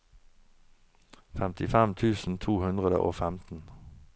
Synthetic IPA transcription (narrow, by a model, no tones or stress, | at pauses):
fɛmt̪ʰɪfɛmt̪ʰʉːsn̩t̪ʰuːhʉnd̪ʁəd̪ə̰ʔo̰ːfɛmt̪n̩